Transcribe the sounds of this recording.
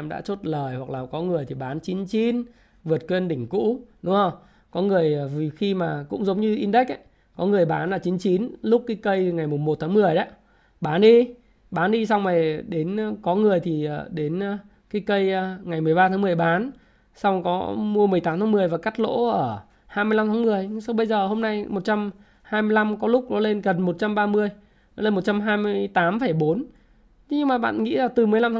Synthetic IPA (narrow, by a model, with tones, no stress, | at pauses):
mɗa̰ː˧˥t͡ɕo˦˥t̚ləː˨˩jhwa˨˩k̚laː˨˩kɔ˨˦ŋɨ˨˩əjt̪ʰi˨˩ɓaː˨˦nt͡ɕi˨˦nt͡ɕi˨˦n | vɨ˨˩ət̚kwe˧nɗï˧˩ŋ̟kṵ˧˥ɗʊ˨˦ŋ͡mhə˧w | kɔ˨˦ŋɨ˨˩əjvi˨˩xi˧maː˨˩kʊ̰˧˥ŋ͡mzə˨˦wŋ͡mɲɨ˧ʔi˧nɗa˦˥k̟̚ʔa̰˧˨˦j | kɔ˨˦ŋɨ˨˩əjɓaː˨˦nlaː˨˩t͡ɕi˨˦nt͡ɕi˨˦nlʊ˦˥k͡p̚kaː˨˦jkə˧jŋa˨˩jmʊ˨˩ŋ͡mmo˨˩t̚t̪ʰaː˨˦ŋmɨ˨˩əjɗa˨˦ | ɓaː˨˦nɗi˧ | ɓaː˨˦nɗi˧sa˧wŋ͡mna˨˩jɗe˨˦n˧kɔ˨˦ŋɨ˨˩əjt̪ʰi˨˩ə˨˩ɗe˨˦nː˧ | kaː˨˦jkə˧jŋa˨˩jmɨ˨˩əjɓaː˧t̪ʰaː˨˦ŋmɨ˨˩ə˩jɓaː˨˦n | sa˧wŋ͡mkɔ˨˦mu˧əmɨ˨˩əjt̪aː˨˦t̪ʰaː˨˦mɨ˨˩əjvaː˨˩ka˦˥k̚lo̰˧˥ʔəː˧˩ | haː˧jmɨ˧la˧mt̪ʰːmɨ˨˩əjsa˧wɓə˧jzəː˨˩ɦo˧mna˧jmo˨˩t̚t͡ɕa˧m | haː˧mɨ˧əjla˧mkɔ˨˦lʊ˦˥k͡p̚ɗɔ˨˦le˧nɣə˨˩nmo˨˩t̚t͡ɕa˧mɓaː˧mɨ˧əj | ɔ˨˦le˧nmo˨˩t̚t͡ɕa˧mɦaː˧jmɨ˧əjt̪aː˨˦mfə˧˩jɓo˨˦n˧ | ɲɨ˧ŋmaː˨˩ɓa̰ː˧˨nŋḭ˧˥laː˨˩t̪ɨ˨˩mɨ˨˩əjla˧mt̪ʰː